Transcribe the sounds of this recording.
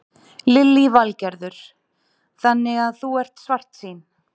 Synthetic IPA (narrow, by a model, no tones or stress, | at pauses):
lɪlːivalcɛɾðʏɾ̥ | θanːɪɣaðθuɛr̥t̪svar̥t̪siːn